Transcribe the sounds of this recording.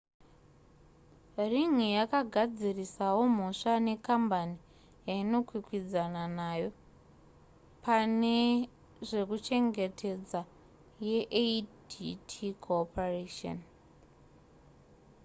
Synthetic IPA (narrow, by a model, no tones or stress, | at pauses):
riŋijakaɡʱad͡zirisawo̞m̤o̞ʂane̞kambani | jaino̞kwikwid͡zananajo̞ | pʰane | ʐe̞kut͡ʃe̞ŋɡe̞tʰe̞d͡za | jeʔeditʰikʰoːpareʃo̰n